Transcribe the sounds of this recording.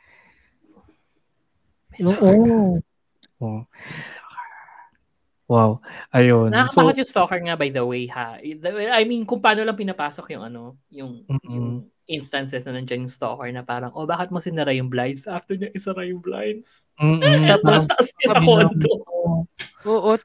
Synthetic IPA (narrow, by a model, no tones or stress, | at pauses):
mɛoːʔo | ʔost̪okɹ | wawʔɐjonɐɐɐbaːkɐt̪jʊŋst̪okɐɹŋɐbajd̪ɐwejhad̪ɐɛajminkʊŋpɐaːno̞lɐŋpɪnɐpaːsokjʊŋʔɐno̞ | jʊŋʊŋ | ʔɪnst̪ɐnsɛsnɐnɐnd͡ʒɐnjʊŋst̪o̰kɐɹnɐpaːɾɐŋʔobaːkɪt̪̚mɐsɪnd̪ɐɾajʊŋblaj̪sʔaft̪ɛɹɲɐʔɪsɐɾajʊŋbla̰jns̩ | t̪ɐʔɐst̪ɐʔɐsɐsɐkont̪o | oːʔo